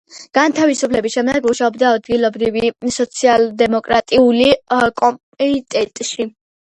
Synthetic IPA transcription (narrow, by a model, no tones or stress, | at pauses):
ɡ̥ant̪ʰavisupʰlɛbisʃɛmd̪ɛɡmuʃaɔbd̪aːd̪ɡilˠɔbɾivisɔt̪sʰialˠd̪ɛmɔkʼɾat̪ʼiulikʼɔmpʼɛit̪ʼɛt̪ʼʃi